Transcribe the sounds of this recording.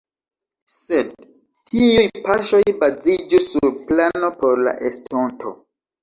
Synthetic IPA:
sed | tiujpaʃo̞jbazid͡ʒusːuɾplano̞po̞ɾla̰ʔestʰontʰo̰

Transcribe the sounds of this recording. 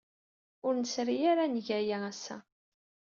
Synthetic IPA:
ʊɾnəsɾijaɾanʝæjaæsːæ̰

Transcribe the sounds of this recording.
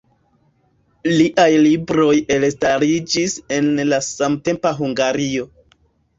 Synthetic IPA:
liʔajlibɾo̞je̞lstaɾid͡ʒise̞nlasamte̞mpaɦuŋɡaɾio̞

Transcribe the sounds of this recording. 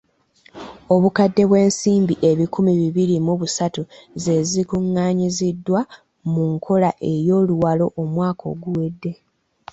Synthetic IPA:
o̞βukadːe̞βwe̞ːnsiːmbiʔe̞βikʰumiβiβiɾimuβusatuze̞zikuŋːaːɲizidːwa | muŋkʰo̞laʔe̞jo̞ːluwalo̞ʔomwaːkʰo̞̰ɡuwedːe̞

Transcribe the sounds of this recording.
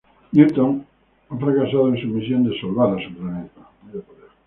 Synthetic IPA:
ɲut̪õŋ | afɾakasaðoẽŋsumisjõnd̪esolβaɾasuplanɛt̪amapoðe

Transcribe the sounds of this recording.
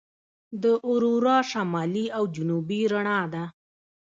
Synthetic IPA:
d̪əʔʊɾuɾɑʃamɑliawd͡ʒʊnubiɾaɳɑd̪a

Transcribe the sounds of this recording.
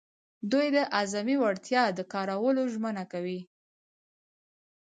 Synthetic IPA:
d̪ujd̪əʔazamiwaɽt̪jɑd̪əkɑɾawəloʒmənakawi

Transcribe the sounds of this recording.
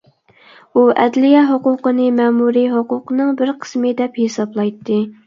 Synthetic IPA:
uʔɛ̰d̪lijɛɦoqʊqənɨmɛmuɾiɦoqʊqʰənɨŋbɪɾqʰə̥smɨd̪ɛphesɑblˠɑjt̪ːɨ

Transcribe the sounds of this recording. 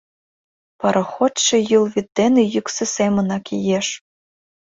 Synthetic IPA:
pɑɾʔɑ̆xot̪ʃĕjulβʲit̪̚d̪enejyksĕsemə̆nɑkijeʃ

